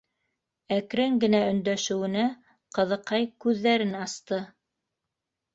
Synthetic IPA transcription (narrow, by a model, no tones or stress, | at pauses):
ækɾɘŋɡɘ̆næɵ̆nd̪æʃɘ̆wɘ̆næ | qɤ̆ðɤ̆qɑjkʉðːæɾɘnɑst̪ɤ